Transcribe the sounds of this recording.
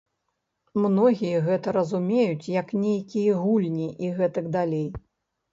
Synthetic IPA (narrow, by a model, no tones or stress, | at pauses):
mnɔɣʲijɐɣɛt̪ɐɾɐzumʲejut͡sʲjɐknʲejkʲijɐɣulʲnʲiʔiɣɛt̪ɐɡd̪alʲej